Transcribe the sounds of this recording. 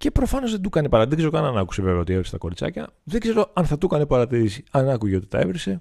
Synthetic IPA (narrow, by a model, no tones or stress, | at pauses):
ce̞pɾo̞fɐno̞zðed̪ukɐnepɐɾɐt̪ikseɾokɐnɐnɐku̥seve̞veo̞t̪ie̞vɾest̪ɐ̥ko̞ɾit͡sɐ̰cɐ̰ðeɡze̞ɾo̞ɐnθɐt̪ukɐnepɐɾɐt̪iɾisiɐnɐkuʝeo̞t̪i̥t̪ɐ̰e̞̰vɾese̞